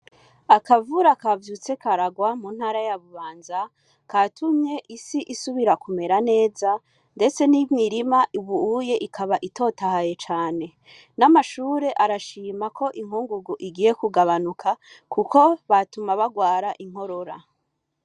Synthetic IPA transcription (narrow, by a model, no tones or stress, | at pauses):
akavuɾakavjuːt͡se̞kʰaɾaɡwamun̥haːɾajaβuβaːnza | katʰumɲe̞ʔisiʔisuβiɾakume̞ɾane̞ːza | nde̞t͡se̞nimiɾimaʔuβuuje̞ʔikʰaβaʔito̞ːtahaje̞t͡ʃaːne̞ | namaʃuːɾe̞ʔaɾaʃiːmakʰo̞ʔiŋ̥ɦuŋɡuɡuʔiɡiːje̞kuɡaβanukʰa | kuko̞βatumaβaɡwaːɾaʔiŋ̥ho̞ɾoɾa